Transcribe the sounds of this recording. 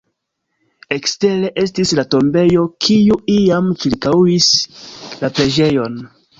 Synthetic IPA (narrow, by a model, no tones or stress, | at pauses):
e̞kste̞ɾe̞ʔe̞stislato̞mbe̞jo̞kʰijuijamt͡ʃiɾkawislapɾe̞d͡ʒe̞jo̞n